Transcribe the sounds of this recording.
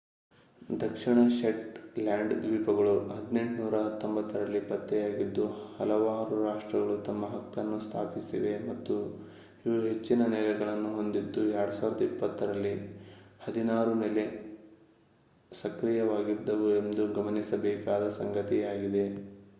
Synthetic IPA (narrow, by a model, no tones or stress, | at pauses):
d̪ʱɐkʂiɳɐʃeʈlaːɳɖd̪ʋiːpɐɡɐɭuɦɐd̪ine̞ɳʈnuːɾɐɦɐt̪ːombɐt̪ːɐɾɐlːipɐt̪ːɛjaːɡid̪ːuhɐlɐʋaːɾuɾaːʂʈɾɐɡɐɭut̪ɐmːɐɦɐkːɐnːust̪ʰa̰ːpisḭʋe̞mɐt̪ːu | iʋuɦe̞t͡ʃːinɐnɛlɐɡɐɭɐnːuɦo̞nd̪id̪ːuɛɾɽɐsaːʋɾɐd̪ɐipːɐt̪ːɐɾɐlːihɐd̪inaːɾuneːle̞ | sɐkɾijɐʋaːɡid̪ːɐʋue̞nd̪uɡɐmɐnisɐbɛːkaːd̪ɐsɐŋɡɐt̪ijaːɡid̪e̞